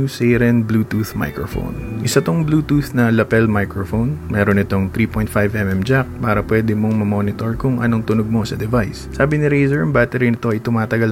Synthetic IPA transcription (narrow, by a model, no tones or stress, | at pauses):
usɛɾɛnbluːt̪uːθma̰jkɹofo̰wnʔɪsɐt̪oŋbluːt̪uθnɐlɐpɛlmajkɹofownmɛːɾonɪt̪oŋt̪ɾiːpojnt̪̚fajvʔɛmʔɛmd͡ʒak̚paːɾɐpwɛːd̪ɪmoŋmɐmoːnɪt̪oɹkʊŋʔɐ̰no̞ŋt̪ʊnoɡ̚mo̞sɐd̪ɛvajsːaːbɪnɪɾejzɛɹɐmbaːt̪ɛɾinɪt̪o̞ɐjt̪ʊmaːt̪ɐɡɐl